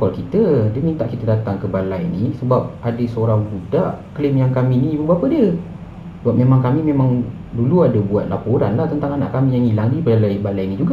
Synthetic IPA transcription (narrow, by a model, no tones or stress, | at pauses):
kɔlkit̪ədəmit̪aʔkit̪ədat̪aŋkəbalajnisəbap̚adəsəoɾaŋbudaʔklɪmjaŋkamĩnibəbapədiə | səbap̚memãŋkamĩmemãŋ | duluadabuat̪̚lapoɾanlaht̪ənt̪aŋana̰ʔkamĩjaŋilaŋdipəalajbalajnĩd͡ʒuɡa